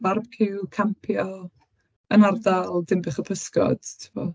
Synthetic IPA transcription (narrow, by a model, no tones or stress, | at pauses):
marb̚kʰɪwkʰampʰjɔ | ənardalˠdɪmbɪχəpʰəskɔ̰d̥tʰɪvɔ